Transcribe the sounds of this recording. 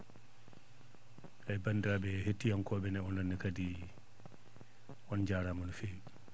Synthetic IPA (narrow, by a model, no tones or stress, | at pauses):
ʔajbandɾabɛhetːijankɔːbɛnɛɔnanːɛkadi | ʔɔnd͡ʒaːɾamanufej